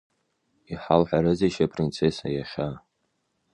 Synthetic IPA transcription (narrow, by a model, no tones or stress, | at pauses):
iħalħᶣaɾɨziʃapʰʼrint͡sʰesajaχʲa